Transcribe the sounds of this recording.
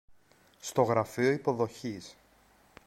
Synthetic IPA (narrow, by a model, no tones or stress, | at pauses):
st̪o̞ɣɾɐfio̞ipo̞ðo̞çis